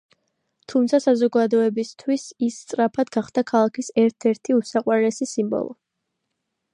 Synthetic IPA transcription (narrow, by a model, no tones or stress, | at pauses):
t̪ʰumt̪sʰasazɔɡad̪ɔɛbist̪ʰwisist̪sʼɾapʰad̪ɡaχd̪̥akʰalˠakʰisɛɾt̪ʰɛɾt̪ʰiusaqʼwanɛsisimbɔ̰lˠɔ̰